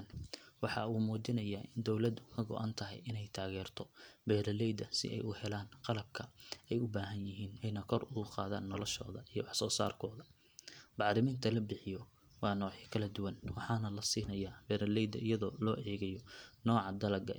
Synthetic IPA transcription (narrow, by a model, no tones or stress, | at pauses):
nwɑħɑuːmuːt͡ʃɪnɐjaːʔɪnd̪ɔwlɐd̪ʊkʰɐɡɔ̰ʔɐ̰nt̪ʰɐɦɛ̰jɪnɛjt̪ʰaːɣɛːrt̪ʰɔbɛːɾɐlɛjd̪ɐsɪ̰ʔɛ̰jʊhɛlaːnqɑlɐb̚kʰɐɛjʊbaːɦɐnjɪɦiːnɛjnɐkʰɔrʊɣʊqɑ̰ːða̰ːnːɔlɔʃɔ̰ːðɐʔijɔwɑħsɔːsa̰ːrkʰɔːðɐ | b̥ɑʕɾɪmiːnt̪ʰɐlɐbɪħɪjɔ | wɑːnɔːʕiːkʰɐlɐd̪ʊwɐnwɑħɑːnɐlɐsiːnɐjaːbɛːɾɐlɛjd̪ɐ̰ʔɪjɐðɔːlɔːʔɛːɣɐjɔnɔːʕɑd̪ɐlɐɡɐ̰